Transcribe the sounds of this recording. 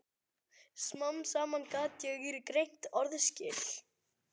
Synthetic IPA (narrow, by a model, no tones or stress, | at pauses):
smansaːmankaːt̪jɛɣiɾɪkɾejn̥t̪ɔɾðscɪːl